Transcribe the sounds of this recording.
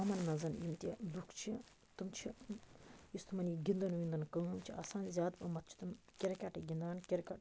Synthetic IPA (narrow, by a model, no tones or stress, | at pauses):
ɐmɐnmɐnzɐnjimt̪ʲid̪ukʰt͡ʃʰi | t̪ɨmt͡ʃʰi | ist̪ʰumɐniɡind̪ɐnʋĩnd̪ɐnkənumt͡ʃʰia̰ːsaːnzʲjaːd̪pɐmɐt̪̚t͡ʃʰi̥t̪um | kʲeɾɐkʲaʈʰiɡʲind̪aːnkʲeɾkʲa